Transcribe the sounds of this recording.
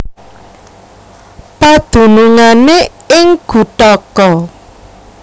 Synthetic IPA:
pad̪̥ṳnuŋane | ɪŋɡ̥ṳʈ̪ɔkɔ

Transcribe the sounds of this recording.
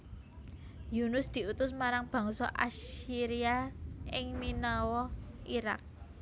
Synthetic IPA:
junʊsd̪̥i̤ut̪ʊsmaɾaŋb̥a̤ŋsɔʔa̰siɾiaʔɪŋminɔwɔiɾa̰k̚

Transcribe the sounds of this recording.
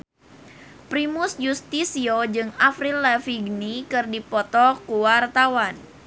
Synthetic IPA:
pɾimʊsjust̪isiod͡ʒɨŋafɾilɛfiɡnikɨrdipɔt̪ɔkuwart̪awan

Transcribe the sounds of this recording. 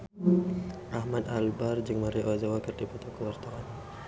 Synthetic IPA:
ʔahmad̪albard͡ʒɨŋmaɾiʔoazawakərdipɔt̪ɔkəwart̪aan

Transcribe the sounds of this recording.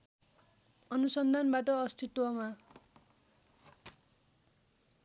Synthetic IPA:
ʌnusʌnd̪ʱanbaʈʌːst̪ʰit̪wʌma

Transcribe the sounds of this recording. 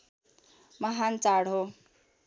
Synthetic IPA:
mʌɦant͡saɽɦo

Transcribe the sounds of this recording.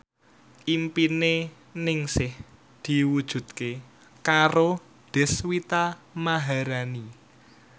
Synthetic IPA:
ʔimpine | nɪŋsɪh | d̪̥i̤wud̥ʒ̥ṳt̪̚ke | kaɾo | d̪̥e̤swit̪amaɦaɾani

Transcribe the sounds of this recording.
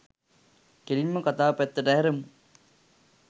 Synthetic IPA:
keɾimːəkat̪aːpæt̪ːəʈəɦæɾemu

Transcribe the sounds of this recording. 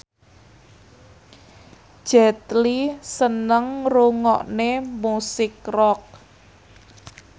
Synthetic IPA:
d̥ʒ̥ɛt̪lisənəŋruŋɔ̰ʔnemusɪkrɔk̚

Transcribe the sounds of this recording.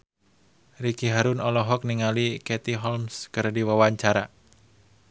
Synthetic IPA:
rikiɦaɾʊnɔlɔɦɔk̚niŋalikɛt̪iɦɔlmskɨrdiwəwaɲt͡ʃaɾa

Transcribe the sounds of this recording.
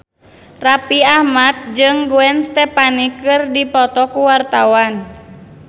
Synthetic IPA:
rapiahmat̪̚d͡ʒɨŋɡuɛnst̪ɛpanikːɨrdipɔt̪ɔkuwart̪awan

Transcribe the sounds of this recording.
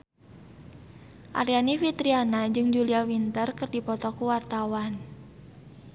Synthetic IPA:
ʔa̰ɾianifit̪ɾianad͡ʒɨŋd͡ʒuliawint̪ərkɨrdipɔt̪ɔkuwart̪awan

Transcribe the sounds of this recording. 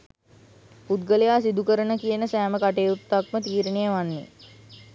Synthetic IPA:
put̪ɡəlejaːsid̪ukəɾənəkijənəsæːməkaʈeːut̪ːakmət̪iːɾənijəʋanːḛ

